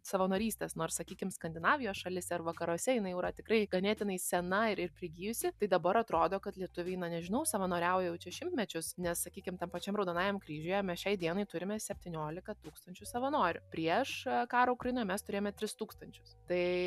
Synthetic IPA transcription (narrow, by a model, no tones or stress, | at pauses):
sɐʋɐnoːɾʲiːsʲt̪ʲeːsnoːrssɐkʲiːkʲɪmskɐnʲd̪ʲɪnɑːʋʲɪjoːsʃɐlʲɪsʲɛɐrʋɐkɐɾuɔsʲɛjɪnɐɪjɛʊɾɐt̪ʲɪkrɐɪɡɐnʲeːt̪ʲɪnɐɪsʲɛnɐɪɾɪrpʲɾʲɪɡʲiːjʊsʲɪt̪ɐɪd̪ɐbɐɾɐt̪ɾoːd̪oːkɐt̪lʲiɛt̪ʊʋʲeɪnɐnʲɛʒʲɪnɐʊsɐʋɐnoːɾʲɛʊjɛjɛʊt͡ʃʲɛʃʲɪmʲt̪ʲmʲɛt͡ʃʲʊsnʲɛssɐkʲiːkʲɪmt̪ʲɛmpɐt͡ʃʲɛmɾɐʊd̪ɐnɑːjɛmkɾʲiːʒʲʊjɛmʲɛsʃʲɛɪd̪ʲiɛnɐɪt̪ʊɾʲɪmʲɛsʲɛpʲt̪ʲinʲoːlʲɪkɐt̪uːkst̪ɐnʲt͡ʃʲʊsɐʋɐnoːɾʲʊpʲɾʲiɛʃkɑːɾoːʊkɾɐjɪnoːjɛmʲɛst̪ʊɾʲejomʲɛt̪ʲɾʲɪst̪uːkst̪ɐnʲt͡ʃʲʊ̥st̪ɐɪ